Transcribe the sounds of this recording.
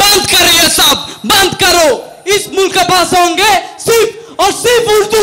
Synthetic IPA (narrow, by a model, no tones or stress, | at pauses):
bɐ̃nd̪kɐɾeesab̚bɐ̃nd̪kɐɾoː | ɪsmʊlkːepaːsõːŋɡesɪɾpʰɔːɾsɪɾfʰʊɾd̪uː